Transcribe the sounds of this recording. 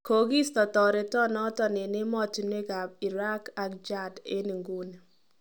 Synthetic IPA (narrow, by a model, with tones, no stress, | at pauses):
ko˨ɡi˦stɔ˨tɔ˨ɾe˨tɔ˦nɔ˦tɔ˨ne˨ne˦mɔ˦ti˨n˦e˦ɡa˨b̚i˨ɾa˦ka˨k̚d͡ʒa˦de˦ni˨ŋɡu˦n˨